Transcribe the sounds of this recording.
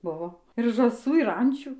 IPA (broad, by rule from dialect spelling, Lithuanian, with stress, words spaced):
ˈbʊʋoː ɪr ʒɑːˈsuː ɪr ˈɐnʲt͡ʃʲuː